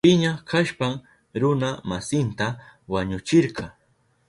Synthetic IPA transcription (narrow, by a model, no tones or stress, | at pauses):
pɪɲakʰaʃpam | ɾʊnamasɪnt̪awaɲʊt͡ʃɪɾqɑ